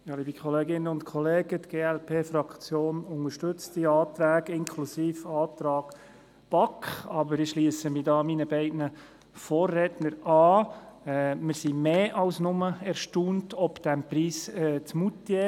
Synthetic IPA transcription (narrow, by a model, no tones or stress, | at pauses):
jɑːliːbikʰχɔleːɡɪnːəʊntkʰχɔleːɡətɡ̥eːælpʰeːfɾɑkt͡sjoːnʊŋəɾʃtʏt͡stdiɑːtɾæːɡɪŋkʰlusiːfɑːt̪ɾɑːɡ̥ | b̥ɑkχɑbəɾɪʃliːsəmidɑːminəbɛɪdnə | fɔːrːɛtnəɾɑːɛmɪɾsimeːʔɑwsnʊməɛɾʃtuːntʰɔpd̪̥ɛmpɾiːsɛt͡smut̪ːje